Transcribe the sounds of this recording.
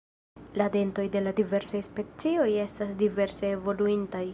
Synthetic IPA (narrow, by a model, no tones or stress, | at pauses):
lade̞nto̞jde̞ladive̞ɾsajspe̞t͡sio̞je̞stasdive̞ɾse̞ːvo̞luintaj